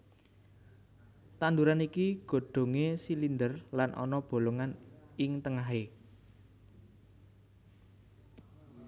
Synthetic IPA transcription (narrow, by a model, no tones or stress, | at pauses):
t̪and̪uɾanikiɡ̥o̤ɖ̪̥o̤ŋesilind̪ərlanʔɔ̰nɔb̥o̤loŋanɪŋt̪əŋaɦe